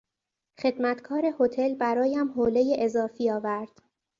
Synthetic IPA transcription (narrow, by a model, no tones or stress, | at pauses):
χe̞d̪mæt̪kʰɒːɾe̞hot̪ʰe̞lbæɾɒːjæmɦoːle̞jeʔezɒːfiːɒːvæɾd̪̥